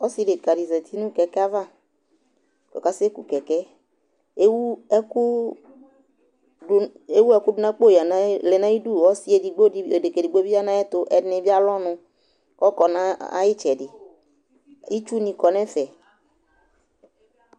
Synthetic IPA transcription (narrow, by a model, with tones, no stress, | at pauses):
ɔ˦si˨de˨ka˨di˨zɛ˨t̪ʰi˦nũ˦kɛ˨kɛ˦a˦va˦˨ | kɔ̰˨ka˨˦se˦ku˨kɛ˨kɛ˦ | e˦wu˦ɛ˦ku˦˨ | e˦wu˦ɛ˦kʊ˦dʊ˦na˦k͡po˦˨ja˨na˦lɛ˨nã˦i˦du˦˨ɔ˦si˦e˨di˨ɡ͡bo˦˨de˨ke˨di˨ɡ͡bo˦bi˦a˦nã˦ɛ˦t̪ʊ˨ʔɛ˦dnɛ˨bi˦a˦lɔ˦nʊ̃˧ | kɔ˦kɔ˨na˦a̰˦jɪ˦t͡ʃɛ˨dɪ˨ | i˦t͡ʃu˦nĩ˧kɔ˨nɛ˦fɛ˨